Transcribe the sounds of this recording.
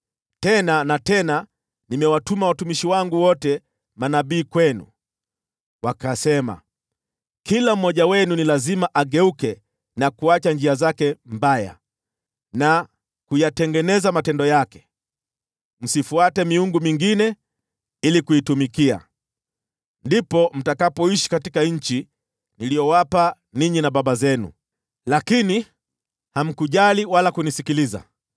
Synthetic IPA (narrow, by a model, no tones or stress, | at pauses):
tɛnanatɛna | nimɛwatumawatumiʃiwaŋɡuwɔtɛ | manaɓiːkwɛnṵ | wakasɛma̰ | kilam̩mːɔʄawɛnunilazimaʔaɠɛukɛ | nakuat͡ʃanɲd͡ʒiazakɛm̩baja̰ | na | kujatɛŋɡɛnɛzamatɛndɔjakɛ̥ | m̩sifuatɛmiuŋɡumiŋɡinɛ | ilikuitumikia̰ | ndipɔm̩takapɔiʃi̥katikaɲ̩t͡ʃi | nilijɔwapa | niɲinaɓaɓazɛnṵ | lakini | ham̩kuʄaliwalakunisikiliza̰